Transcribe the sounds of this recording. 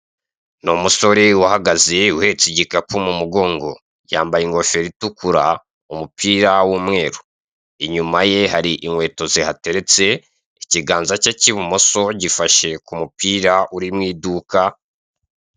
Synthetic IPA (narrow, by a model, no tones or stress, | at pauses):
nomuso̞ɾewahaɡazeuhe̞t͡siɟikakumumuɡo̞ːŋɡo̞̰ | jaːmbajiŋɡo̞fe̞ɾitukuɾa | umupiːɾawuːmŋe̞ːɾu̥ | iɲumaje̞haɾiʔiŋwe̞ːto̞zihate̞ɾe̞t͡se̞ | iciɡaːnzacaciβumo̞so̞ɟifaʃe̞kumupiːɾaʔuɾimŋiːduka